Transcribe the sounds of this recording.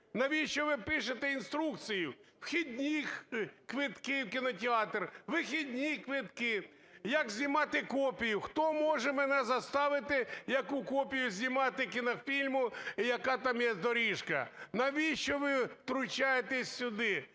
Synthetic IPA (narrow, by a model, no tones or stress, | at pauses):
nɐʋʲiʃt͡ʃɔʋɪpɪʃet̪ɛinst̪ɾukt̪sʲijʊwxʲid̪ʲnʲikʋɪt̪kɪwkʲɪnɔtʲɪɑt̪rʋɪxʲidʲnʲikʋɪt̪kɪ | jɐkzʲnʲimɑt̪ɪkɔpʲijʊxt̪ɔmɔʒɛmɛnɛzɐst̪ɑʋɪt̪ɪjɐkukɔpʲijʊzʲnʲimɑt̪ɪk̬ʲɪnɔfʲilʲmʊijɐkɑt̪ɑmjɛzd̪ɔɾʲiʃkɐ̰nɐʋʲiʃt͡ʃɔʋɪt̪ɾʊt͡ʃajet̪ɛsʲsʲʊd̪ɪ